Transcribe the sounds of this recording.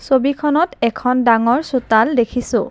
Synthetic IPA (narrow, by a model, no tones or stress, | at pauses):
sobikʰɔnɔtɛkʰɔndaŋɔɹsutaldekʰisʊ̃